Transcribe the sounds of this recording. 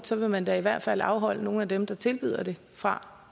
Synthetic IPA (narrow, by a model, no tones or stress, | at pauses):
sɒ̽ʋe̝mænd̥æiʋæɐ̰d̥fæl̰ɑ̈ʊɦɒ̽l̰əno̝ːn̩æd̥emd̥ɑ̈t͡sʰe̝lb̥y̰ːð̞̰ˠɐd̥e̝ | fʁɑ̈